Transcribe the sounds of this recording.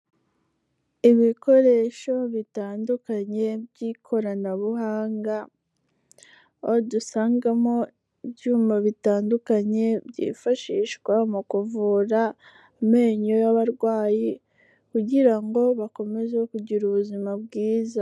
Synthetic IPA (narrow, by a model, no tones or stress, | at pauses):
iβiko̞ɾe̞ʃo̞βitaːndukaɲe̞bjiːkʰo̞ɾanaβuhaːŋɡa | odusaːŋɡamo̞ | ibjuːmaβitaːndukaɲe̞bɟḭːfaʃiʃɡwamukuvuːɾa | meːɲo̞jaβaɾɡwaːji | kuɟiɾaŋɡo̞βako̞me̞ze̞kuɟiɾuβuzimabɡiːza